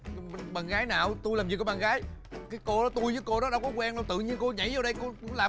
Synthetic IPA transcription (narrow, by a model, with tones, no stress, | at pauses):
ɓa˨˩nɣaː˨˦jnaː˨˩wt̪u˧jlaː˨˩mzi˨˩kːɔː˨˦ɓaː˨˩ɣaː˨˦jkaː˨˦jko˧ɗɔ˨˦t̪u˧jvəː˨˦jko˧ɗɔ˨˦ɗa˧wkɔ˨˦kwɛ˧nla˨˩t̪ɨ̰˧˨ɲi˧ənko˧ɲa̰˧˩jzaː˨˧wɗə˧jko˧˦laː˨˩